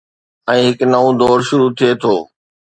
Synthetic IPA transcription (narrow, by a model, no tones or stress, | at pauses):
ɛ̃ːɦɪknɐʋõd̪ɔːɾʃʊɾut̪ʰiet̪ʰoː